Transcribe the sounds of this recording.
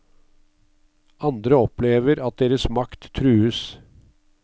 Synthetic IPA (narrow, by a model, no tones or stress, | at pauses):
ɑnd̪ɾəɔpʰleːʋəɾɑt̪̚d̪eːɾəsmɑkt̪ʰːɾʉːəs